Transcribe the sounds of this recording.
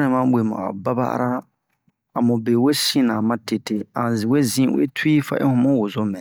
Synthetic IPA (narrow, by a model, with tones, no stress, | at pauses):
nɛ̃˨mã˦ɓʷe˨mɔ̰̃˨a̰˨ba˦ba̰˦ʔa̰˦ɾa˦ | a˨mũ˨be˨we˦sĩ˦nã˨mã˦te˨te˦ã˨zĩ˨we˦zĩ˦wḛ˦tʰi˦fa̰˦ʔḛ˦hũ˦mũ˦wo˨zo˦mɛ̃˨